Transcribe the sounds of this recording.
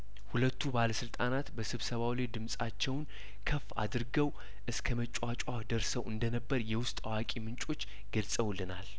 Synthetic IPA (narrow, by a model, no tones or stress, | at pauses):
hulət̪ʰːubaləsɨlt̪ʼanat̪bəsɨβsəβawled̪ɨmsʼat͡ʃːɛwn | kʰəfːa̰d̪ɨɾɡəw | ʔɨskʰəmət͡ʃʼwat͡ʃʼwahd̪əɾsəwɨnd̪ənəbːəɾjɛwʊst̪ʼawakʼimɨnt͡ʃʼo̞t͡ʃː | ɡ̥əlsʼəwlːɨnal